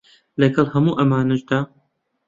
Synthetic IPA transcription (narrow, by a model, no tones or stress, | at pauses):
lɐɡɐlˠhɐmuːʔɐmaːnɐd͡ʒd̪aː